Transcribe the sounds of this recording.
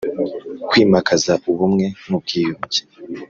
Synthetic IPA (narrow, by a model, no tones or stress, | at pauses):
kwiːmakʰazauβumŋe̞nub̚ɡiːjuɲɟe̥